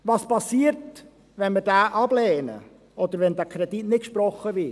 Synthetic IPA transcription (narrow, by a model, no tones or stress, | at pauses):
ʋɑːspɑsiːəɾt | ʋɛnmədæːʔɑblɛːnə̰ | ʔɔd̪əɾʋɛnd̪ækʰɾɛd̥̪itnɪt̚kʃpɾɔχːəvɪ